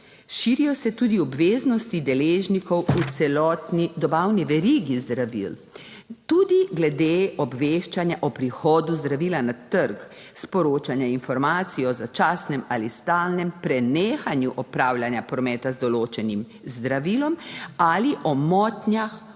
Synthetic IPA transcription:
ʃiːɾijɔsɛt̪ud̪iɔbʋeːznɔst̪id̪ɛleːʒnikɔwut̪sɛlɔːt̪nid̪ɔbawniʋɛɾiɡizd̪ɾaʋḭl | t̪ud̪iɡlɛd̪eɔbʋeʃt͡ʃanjaʔɔpɾixɔːd̪uzd̪ɾaʋiːlanat̪əɾk | spɔɾoːt͡ʃanjainfɔɾmaːt̪siɔzat͡ʃaːsnɛmalist̪aːlnɛmpɾɛneːxanjuʔɔpɾaːwlʲjanjapɾɔmɛːt̪azd̪ɔloːt͡ʃɛnim | zd̪ɾaʋiːlɔmaliʔɔmɔːt̪nʲjax

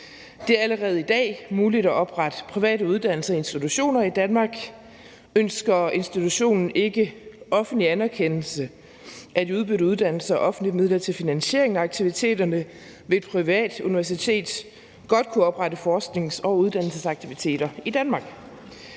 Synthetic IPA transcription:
d̥e̝æɐæləʁɛːð̞̩ˠid̥ɛ̰ːmuːlid̥æʔɒ̽b̥ʁɑ̈d̥əpʰʁiʋɛ̰ːɾəuð̞ˠd̥æn̰l̩sɐe̝nsd̥it͡sʰuɕo̝̰ːnɐid̥ænmɑ̈ːɡ̥ | ønsɡ̥ɐe̝nsd̥it͡sʰuɕo̝̰ːnn̩e̝ɡ̥əʔɒ̽fn̩liænæɐkʰen̰l̩sə | ʔæd̥iuð̞ˠb̥yɾ̩ˠuðˠd̥æn̰l̩sɐʔɒ̽fn̩dlid̥̚með̞ˠlɐt͡sʰe̝lfinænɕe̝̰ɐeŋnæɑ̈ɡ̥̚t͡sʰiʋit͡sʰe̝̰ːd̥ɐnə | ʋe̝d̥̚pʰʁiʋɛ̰ːd̥uniʋæɐs̬it͡sʰe̝̰ːd̥ | ɡ̥ɒ̽d̥̚kʰuɒ̽b̥ʁɑɾəfɒːsɡ̥ne̝ŋsɒ̽uð̞ˠd̥æn̰l̩səsɑ̈ɡ̥t͡sʰiʋit͡sʰe̝̰ːd̥ɐid̥ænmɑ̈ɡ̥

